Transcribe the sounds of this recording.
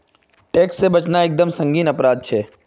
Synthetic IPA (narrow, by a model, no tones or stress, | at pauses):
ʈeːksːebɐt͡ʃnaeːk̚d̪əmsɐ̃ŋɡiːnɐpɾaːd̪̚t͡ʃʰɛː